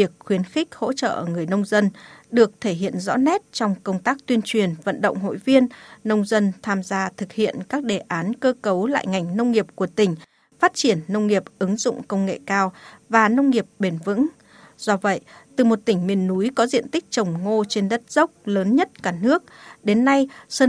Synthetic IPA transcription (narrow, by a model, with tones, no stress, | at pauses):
vi˨˩ək̚xwi˨˦ənxï˦˥k̚ho̰˧˥t͡ɕə̰ː˧˨ʔəː˧˩ŋɨ˨˩əjnə˧wŋ͡mzə˧nɗɨ˨˩ək̚t̪ʰe˧˩ɦḭ˧˨ənzɔ̰˧˥nɛ˦˥t̚t͡ɕɔ˧wŋ͡mkə˧wŋ͡mt̪aː˦˥k̚t̪wi˧ənt͡ɕwi˨˩ənvə̰˧˨nɗə̰˧˨wŋ͡mɦo̰˧˨jvi˧ənːə˧wŋ͡mzə˧nt̪ʰaː˧mzaː˧t̪ʰɨ˨˩k̚hḭ˧˨ənkaː˦˥k̚ɗe˨˩ʔaː˨˦nkəː˧kə˨˦wla̰ː˧˨jŋa˨˩jŋ̟nə˧wŋ͡mŋi˨˩əp̚ku˧˩ət̪ï˨˩ŋ̟ | faː˦˥t̚t͡ɕi˧˩ənːə˧wŋ͡mŋi˨˩əp̚ʔɨ˨˦ŋzʊ̰˧˨ŋ͡mkə˧wŋ͡mŋḛ˧˨kaː˧wvaː˨˩nə˧wŋ͡mŋi˨˩əp̚ɓe˧˩nvɨ̰˧˥ŋ | z̥ɔ˧və̰˧˨jt̪ɨ˨˩mo˨˩t̚t̪ï˧˩ŋ̟mi˨˩ənːu˨˦jkɔ˨˦zḭ˧˨ənt̪ï˦˥k̟̚t͡ɕə˨˩wŋ͡mŋo˧t͡ɕe˧nɗə˦˥t̚z̥ə˦˥wk͡p̚ləː˨˦nɲə˦˥t̚kaː˧˩nɨ˦˥ək̚ɗe˨˦nːa˧jsə˧